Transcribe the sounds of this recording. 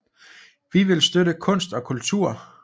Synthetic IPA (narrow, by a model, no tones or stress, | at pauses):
ʋiʋe̝lsd̥øɾəkʰɔ̽n̰sd̥ɒ̽kʰult͡sʰuɐ̰